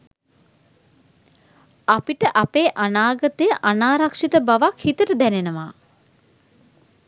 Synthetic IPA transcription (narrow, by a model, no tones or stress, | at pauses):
apiʈəʔapeːʔanaːɡət̪əjəʔanaːɾakʂit̪əbaʋakhit̪əʈəd̪ænenəʋaː